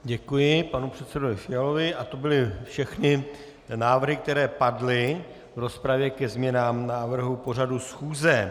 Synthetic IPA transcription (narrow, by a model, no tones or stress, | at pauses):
ɟɛkujɪpanupr̝̥ɛt̪sɛdovɪfɪjalo̞vɪʔat̪o̞bɪlɪfʃɛxnɪ | naːvr̩ɦɪk̚t̪ɛɾɛːpadlɪ | vɾo̞spɾavjɛkɛzmɲɛnaːmnaːvr̩ɦupo̞r̝adusxuːzɛ